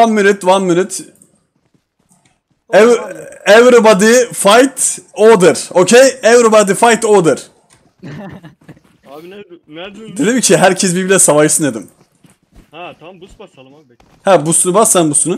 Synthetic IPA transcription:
vanmynyt̪vanmylyt̪ | ɛvɛvɾɯbad̪ɯfajt̪od̪ɯɾ̥ocʰejɛvɾobad̪ɯfajt̪od̪ɯɾ̥ | d̪elimcʰiɦæɾcʰɛs̬bibilʲɛsavaʃɯsɯned̪im | hɛbusunubasːanbusunu

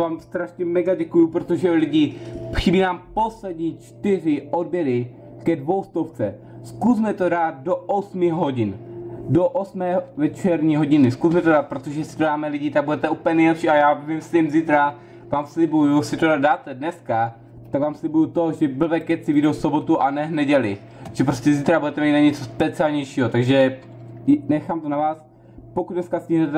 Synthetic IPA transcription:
vaːmst̪ɾaʃɲɛmɛɡaɟɛkujupɾot̪o̞ʒɛlɪɟɪxɪbiːnaːmpo̞slɛdɲiːt͡ʃt̪ɪr̝ɪʔodbjɛɾɪ | kɛdvo̞wst̪oft͡sɛ | skuzmɛt̪o̞ɾaːt̪̚doʔosmɪɦɦoɟɪndoʔosmɛːvɛt͡ʃɛɾɲiɦo̞ɟɪnɪskusmɛt̪oɾaːt̪̚pɾot̪oʒɛsɪ̥t̪odaːmɛlɪɟit̪aɡ̚budɛt̪ɛʔupəlɲɛnɛjlɛpʃiːajaːvɪmslɪmziːt̪ɾa | vaːmslɪbujusɪt̪odad̪̚daːt̪ɛdnɛska | t̪aɡvaːmslɪbujut̪oʒɛbl̩vɛkɛt͡sɪvidowfsobo̞t̪uʔanɛnɛɟɛlɪ | ʒ̥ɛp̬ɾoscʲɛziːt̪ɾabudɛt̪ɛmiːt̪naɲɛt͡sospɛt͡sɪalɲɛjʃiːɦot̪aɡʒɛ | nɛxaːmt̪onavaːs | pokud̪dnɛskascɪɦnɛt̪ɛ

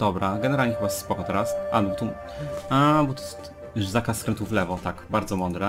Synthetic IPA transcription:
d̪̥ɔbɾaɡɛnɛɾalɲɛxɨbajɛst̪spɔkɔt̪ɛɾasʔa̰bɔbɔt̪ɔ | abɔt̪ɔjɛst̪ | juʐzakaskɾɛnt̪uflɛvɔt̪akbaɾd̪zɔmɔnd̪ɾɛ

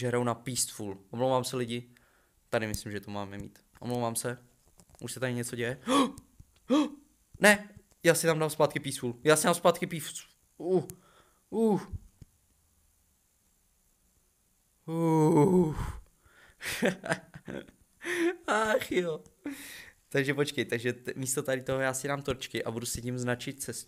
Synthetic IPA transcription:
ʒɛɦɾownapiːst̪fuːlʔomlowvaːmsɛlɪɟɪ | t̪adɪmɪslimʒɛt̪omaːmɛmḭːt̪ | ʔomlowvaːmsɛ | ʔuʃsɛt̪aɾɪɲɛt͡soɟɛjɛ | nɛ | jaːsɪt̪amdamspaːt̪kɪpiːsfuːljaːsɪdamspaːt̪kɪpiː | u | u | u | axjo | t̪aɡʒɛpot͡ʃkɛjt̪aɡʒɛt̪miːst̪ot̪aɾɪt̪oɦojaːsɪdamt̪oɾt͡ʃkɪʔabudusɪcimznat͡ʃɪt̪̚sɛs

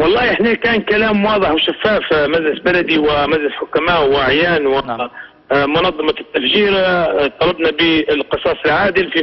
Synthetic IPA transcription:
wɑlˤːɑːiʔɪħnekæːnkalaːmwɑːðˤəħwʃafːaːfmæʒlɪsbalæd̪iwɪmaʒlɪsħʊkːamaːʔwʔaʕjaːnwɪ | mʊnɑðˤːɑmɑt̪ːafʒiːɾt̪ˤɑlɑbnabəlqɨsˤɑːsˤɪlʕaːd̪əlfi

